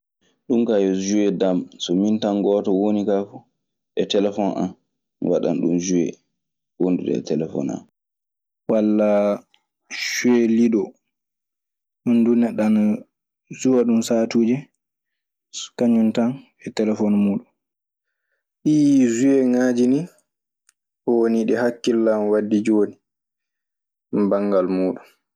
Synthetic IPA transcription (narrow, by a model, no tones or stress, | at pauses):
ɗumkajɔzuɛdamsɔmintaŋɡɔtɔwonikafu | ɛtɛlɛfɔna̰n | waɗa̰nɗumzuwɛ̰ | wonduɗɛ̰ɛ̰tɛlɛfɔ̰na̰n | walːa | ʃuɛliɗɔ | ɗundunɛɗːan | zuwaɗumsaːtuːd͡ʒɛ | kaɲuntan | ɛtɛlɛfɔnmuːɗun | ɗizuɛŋaːd͡ʒini | ɔwoniɗɛhakːilːamwadːid͡ʒoːni | mbaŋɡalmuːɗun